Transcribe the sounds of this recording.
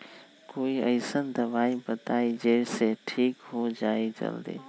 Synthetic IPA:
koːiɐɪsənd̪ɐʋaːibɐt̪aːid͡ʑeːɽseʈʰiːkɦod͡ʒaːit͡ʃɐ̰ld̪ḛː

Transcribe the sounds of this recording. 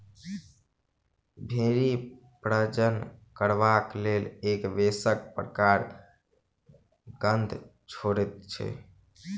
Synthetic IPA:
bʱeɾi | pɾəd͡ʒənkəɾbaklelekʋesək̚pɾəkaɾ | ɡənd̪ʱ | t͡ʃʰoɾet̪̚t͡ʃʰɛ̰

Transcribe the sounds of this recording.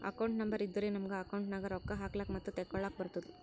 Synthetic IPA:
ɐ̰kɐwɳʈnɐmbɐɾid̪ːuɾeːnɐmɡeɐkɐwɳʈnaːɡɐɾɔkːɐɦaːklaːkmɐt̪ːut̪ɛkːɔɭaːk̚bɐɾut̪ːɐd̪u

